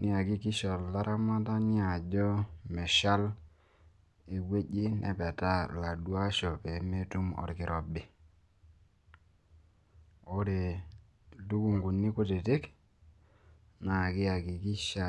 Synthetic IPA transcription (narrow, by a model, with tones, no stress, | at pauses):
nɪ˦a˨ɡi˦ki˦ʃɔ˨lːa˦ɾʔa˦ma˦ta˦ni˦a˨d͡ʒɔ˦mɛ˨ʃa˦l | e˨ɡwe˦ɟi˦nʔɛ̰˨pɛ˨ta˦la˨dwa˦ʃɔ˨pɛ˨˦me˦tu˦mɔ̰˨ɾkɪ˨ɾʔɔ˨bɪ˨ | o˦ɾe˨ | lu˦ku˦˨ŋɡu˨nːi˦kʊ˦te˨tɪ˦k | na˨kɪ˦a˨ki˨ki˦ʃa˦˨